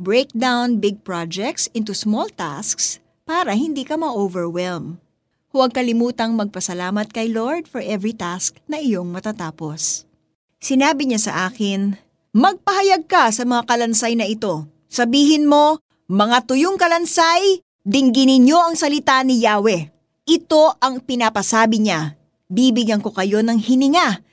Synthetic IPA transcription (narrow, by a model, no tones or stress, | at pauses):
bɹejk̚d̪awnbɪɡ̚pɹad͡ʒɛk̚t̪sɪ̃nt̪usmolt̪a̰sks | paːɾɐɦɪnd̪iːkɐmɐʔoːvɛɹwɛlm | hʊwɐɡ̚kɐlɪmuːt̪ɐŋmɐɡ̚pɐsɐlaːmɐt̪̚kɐjlo̞ɹd̪̚fɔɹʔɛvɹit̪asknɐʔɪjo̞ŋmɐt̪at̪aːpo̞s | sɪnaːbɪɲasɐ̰ʔaːkɪn | mɐɡ̚pɐhɐjɐɡ̚kɐsɐmɐŋakɐlɐnsajnɐʔɪt̪o̞ | sɐbiːɦɪnmo̞ | mɐŋat̪ʊjoŋkɐlɐnsaj | d̪ɪŋɡɪnɪɲjo̞ʔɐŋsɐlɪt̪anɪjaːwɛ | ʔɪt̪o̞ʔɐŋpɪnapɐsaːbɪɲa | biːbɪɡɐŋko̞kɐjo̞nɐŋhɪnɪŋa